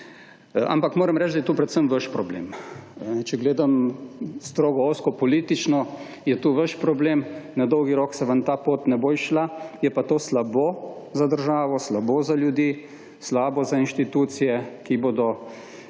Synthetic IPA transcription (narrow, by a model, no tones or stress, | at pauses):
a̰mpakmoːɾɛmɾɛt͡ʃd̪ajɛt̪uːpɾɛt̪səmʋəʃpɾɔblḛːmnɛt͡ʃɛɡleːd̪amst̪ɾoːɡɔoːskɔpɔliːt̪it͡ʃnɔ | jɛt̪uːʋəʃpɾɔbleːmnad̪ɔwɡiɾoːksɛʋant̪aːpoːt̪nɛboːiʃlajɛpat̪oːslabozad̪əɾʒaːʋɔslaboːzaljud̪jiː | slaːbɔzainʃt̪it̪uːt̪sijɛkiboːd̪ɔ